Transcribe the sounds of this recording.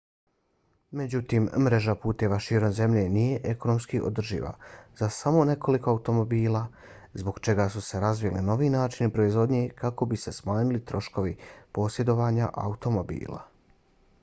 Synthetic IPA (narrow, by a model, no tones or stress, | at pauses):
me̞d͡ʑut̪iːmːɾe̞ʒapuːt̪e̞ʋaʃiːɾo̞mze̞mʎe̞nije̞ʔeko̞no̞mskiʔo̰d̪r̩ʒḭːʋa̰z̥asamo̞ne̞kʰo̞liko̞aut̪o̞mo̞biːlˠa | zbo̞ɡt͡ʃe̞ɡaːsuse̞ɾazʋijlino̞ʋiːnaːt͡ʃinipɾo̞izʋo̞d̪ɲekako̞bise̞smaːɲulit̪ɾo̞ʃko̞ʋipo̞ːsje̞d̪o̞ʋaːɲa̰ʔa̰ut̪o̞mo̞bḭːlˠa̰